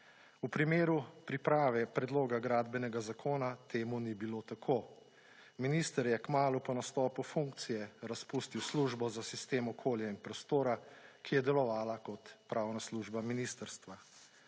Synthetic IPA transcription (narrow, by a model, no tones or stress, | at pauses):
upɾimeːɾupɾipɾaːʋɛpɾɛd̪loːɡaɡɾaːd̪bɛnɛɡazakʰoːnat̪ʰeːmunibiloːt̪akʰoː | minist̪əɾjɛkmaːlupɔnast̪ɔːpufuŋkt̪sijɛɾaspuːst̪iwsluːʒbɔzasist̪eːmɔkʰoːljainpɾɔst̪oːɾakʰijɛd̪ɛlɔʋaːlakɔt̪pɾawnasluʒbaminist̪əɾst̪ʋa